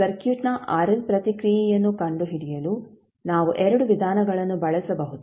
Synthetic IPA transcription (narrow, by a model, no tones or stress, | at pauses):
sɐɾkjuːʈnɐʔaːɾɐlpɾɐt̪ikɾijijɐnːukɐɳɖuɦiɽijɐlu | naːʋuʔɛɾɐɽuʋid̪ʱaːnɐɡɐɭɐnːubɐɭɐsɐbɐɦut̪u